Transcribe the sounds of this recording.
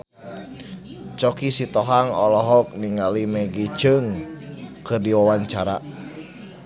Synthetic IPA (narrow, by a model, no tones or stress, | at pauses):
t͡ʃɔkisit̪ɔɦaŋɔlɔɦɔk̚niŋɡalimɛɡit͡ʃɨŋ | kɨrdiwawaɲt͡ʃaɾa̰